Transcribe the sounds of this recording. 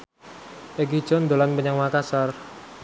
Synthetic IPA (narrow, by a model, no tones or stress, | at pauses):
ʔeɡid̥d͡ʒ̥ɔnd̪olanpəɲaŋmakasɔr